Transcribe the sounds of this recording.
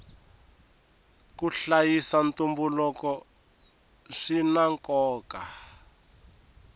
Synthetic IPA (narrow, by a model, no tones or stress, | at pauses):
kuɬajisant̪umbulɔkɔ | ʂinaŋkɔːka